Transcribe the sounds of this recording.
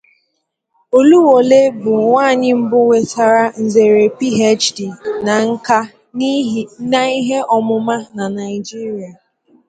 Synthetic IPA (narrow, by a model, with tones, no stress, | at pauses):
o˨lu˦wo˨le˦bʊ˨ŋʷaː˦˨ɲɪ˦m̩˦bʊ˦we˨ta˨ɾa˦n̩˨ze˨ɾe˨pi˦ɦe˦t͡ʃdi˨na˨ŋ̩˦ka˦ | na˦˨i˦ɦe˦ʔɔ˨mʊ˨ma˦na˨na˨ɪ˨d͡ʒi˦ɾi˨a˨